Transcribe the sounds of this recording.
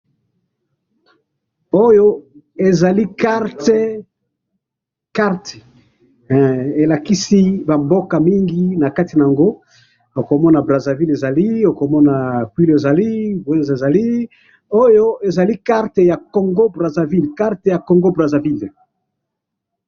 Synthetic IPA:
o˦jo˦ | e˨za˨li˦ka˦ʁt | ka˦ʁt | e˨la˨ki˦si˦ba˨mbo˦ka˨mi˦ŋɡi˦na˨ka˦ti˨na˨a˨ŋɡo˦ | o˨ko˨mɔ˦na˨bʁa˨za˨vi˦le˨za˨li˦o˨ko˨mɔ˦na˨kwi˦le˨za˨li˦bɛ˦nze˨za˨li˦ | o˦jo˦ʔe˨za˨li˦ka˦ʁte˨ja˨ko˨ŋɡo˦bʁa˨za˨vi˦lka˦ʁte˨ja˨ko˨ŋɡo˦bʁa˨za˨vi˦l

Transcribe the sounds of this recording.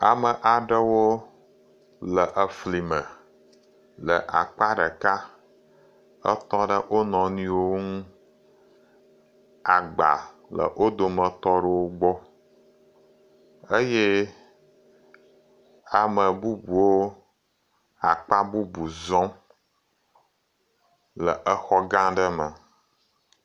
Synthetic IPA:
a˨mə˨ʔa˨ɖə˦wo˦ | lə˨ʔə˨fli˨mə̃˨ | lə̰˨ʔa̰˨k͡pa˦ɖə˨ka˦ | ə˦t̪ɔ˦ɖə˦ʔo˦nɔ̃˨nĩ˦wo˦ŋũ˦ | a˨ɡ͡ba̰˨ | lə̰˨ʔo˦d̪o˨mə̃˨t̪ɔ˦ɖə˦wo˦ɡ͡bɔ˦ | ə˦je˦ | a˨mə˨bu˦bu˨wo˦ | a˨k͡pa˦bu˦bu˨zɔ̃˦ | lə˨ʔə˦xɔ˦ɡã˦ɖə˦mə˨

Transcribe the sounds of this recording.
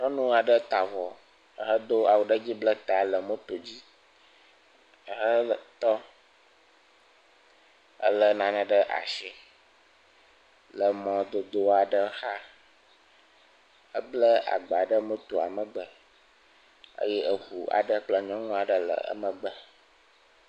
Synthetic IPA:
ɦə˦nũ˦a˨ɖə˦t̪a˨vɔ˨˦˨ | ɦə˦d̪o˦a˨wu˨ɖə˦d͡ʑi˦blə˦t̪a˨lə˨mə̃˦t̪o˨d͡ʑi˦˨ | ɦə˦lə˨t̪ɔ˦ | ə̰˦lə˨nã˨nə̃˨ɖə˦ʔa̰˨ʃɛ˦ | lə˨mɔ̃˨d̪o˨d̪o˦a˨ɖə˦xa˦ | ə˦blə˦a̰˨ɡ͡ba˨ɖə˦mə̃˦t̪o˨a̰˨mə̃˨ɡ͡bə˨ | ə̰˦jɛ˦ʔə˨ɸu˨a̰˨ɖə˦k͡plɔ˦ɲɔ̃˦ŋũ˦a˨ɖə˦lə̰˨ə̰˦mə̃˨ɡ͡bə˦

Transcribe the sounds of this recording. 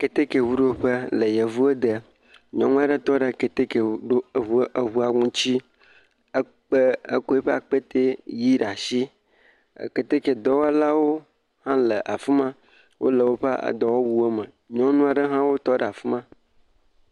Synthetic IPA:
ke˨t̪e˦ke˨wu˦ɖo˦o˦ɸə˦lə˨je˨vu˦e˦d̪ə˨ | ɲɔ̃˦ŋũ˦a˦ɖə˦t̪ɔ˦ɖə˨ke˨t̪e˦ke˨ɖo˦vu˦ə˦ɦu˦a˨ŋũ˦t͡ɕi˦ | ə˦ | k͡pə˦e˦ko˦e˦ɸe˦a̰˨k͡pe˦t̪e˦ji˦ɖa˨ʃḭ˦˨ | ke˨t̪e˦ke˨d̪ɔ˦wa˦la˦wo˦ | hã˦lə˨ʔa˨fu˦mã˦ | wʔo̰˦lə˨wo˦ɸə˦a̰˨d̪ɔ˨wo˦wu˦e˦mə̃˨ | ɲɔ̃˦nũ˦a˨ɖə˦ɦã˦wo˦t̪ɔ˦ɖə˨a˨fu˦mã˦

